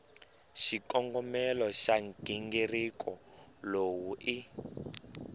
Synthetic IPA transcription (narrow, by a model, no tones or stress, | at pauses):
ʃikɔŋɡɔmɛlɔʃaŋɡ̥iŋɡerikɔ | lowuʔi